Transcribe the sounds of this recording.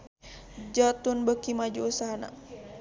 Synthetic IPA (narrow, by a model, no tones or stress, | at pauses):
d͡ʒat̪unbəkimad͡ʒuusaɦana̰